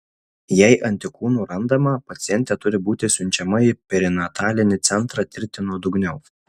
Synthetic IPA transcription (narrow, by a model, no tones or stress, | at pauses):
jɛɪʔɐnʲt̪ʲɪkuːnuːɾɐnd̪ɐmɐpɐt̪sʲɪjɛnʲt̪ʲɛt̪ʊɾʲɪbuːt̪ʲɪsʲʊnʲt͡ʃʲɛmɐɪpʲɛɾʲɪnʲɐt̪ʰɑːlʲɪnʲɪt̪sʲɛnt̪ɾɑt̪ʲɪɾʲt̪ʲɪnuɔd̪ʊɡnʲɛʊ